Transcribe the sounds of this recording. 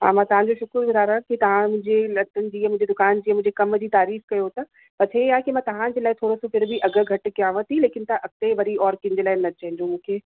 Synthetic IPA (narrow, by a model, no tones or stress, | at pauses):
ɦã̰ːmãːt̪ɐʋ̤ãɲd͡ʑoʃʊkɾbɪd̪aːɾaɦkit̪ɐʋ̤ãmʊ̃ɦɪ̃ɲd͡ʑelɐt̪ənɪ̆d͡ʑiːãmʊ̃ɪ̃ɲd͡ʑed̪ʊkaːnd͡ʑiːɐ̃mʊ̃ɪ̃d͡ʑekɐmd͡ʑiːt̪aːɾiːfkɐjot̪a | pɐt͡ɕʰeaːɦekimãːt̪ɐʋ̤ãːd͡ʑeːlaːɪt̪ʰoːɾosõfʰɪɾbʱɪʔɐɡə̆ɡʱɐʈ̆kijãʋɐt̪ileːkɪnt̪ãʔɐkt̪eʋɐɾiɔːɾkĩɲ̆d͡ʑeːlaːɪnɐt͡ɕɐ̃ɦɪ̃ɲd͡ʑomũːkʰeː